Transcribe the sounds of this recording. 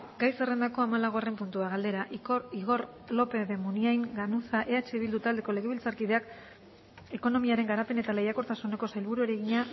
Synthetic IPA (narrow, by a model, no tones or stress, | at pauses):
ɡajse̞re̞nd̪ako̞amalaɣo̞are̞mpunt̪uaɣald̪e̞ɾaʔiɣoɾ | lo̞pe̞ðe̞muniajŋɡanusaʔe̞at͡ʃe̞iβ̞ild̪ut̪ald̪e̞ko̞le̞ɣe̞β̞ilt͡saɾkið̞e̞ak | e̞ko̞no̞miaɾe̞ŋɡaɾape̞ne̞t̪ale̞jako̞ɾt̪asune̞ko̞sajlβ̞uɾueɾeɣiɲa